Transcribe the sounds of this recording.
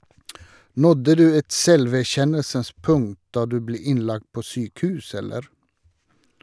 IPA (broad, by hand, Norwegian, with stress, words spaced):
ˈnɔdə ˈdʉː ˈɛt ˈsɛlʋæˌçɛnəlsəns ˈpʊŋt ˈdɑː ˈdʉː ˈbleː ˈɪnˌlɑkt ˈpoː ˈsyːkˌhʉːs ˈɛləɾ